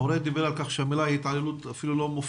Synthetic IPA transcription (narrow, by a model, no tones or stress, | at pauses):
oɾed̪ibeɾalkaχʃeamilahit̪ʕalelut̪afilulomuf